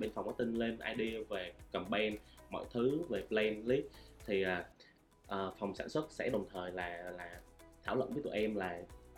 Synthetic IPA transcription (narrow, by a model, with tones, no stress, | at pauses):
ɓe˧˩nfa˨˩ŋ͡mʔaː˨˦t̪i˧ŋle˧nʔa̰ː˧jɗi˧əve˨˩kə˨˩mɓɛ˧nmɔ̰˧˨jt̪ʰɨ˨˦ve˨˩plɛ˧nli˦˥k̚t̪ʰi˨˩ʔaː˨˩ | ʔəː˨˩fa˨˩wŋ͡msa̰ː˧˩nswə˦˥t̚sɛ̰˧˥ɗə˨˩wŋ͡mt̪ʰəː˨˩jlaː˨˩laː˨˩t̪ʰaː˧˩wlə̰˧˨nvə˨˦t̪ṵ˧˨˩jʔɛ˧mlaː˨˩